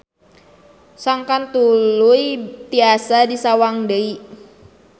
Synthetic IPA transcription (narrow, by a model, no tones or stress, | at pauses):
saŋkant̪uluit̪iasadisawaŋdəi